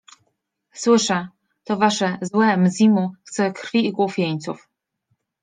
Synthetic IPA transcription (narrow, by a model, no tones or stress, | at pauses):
swɘʂɛ | t̪ɔvaʂɛzwɛmzʲimuxt̪sɛkɾfʲiːɡwufʲjeɲt̪suf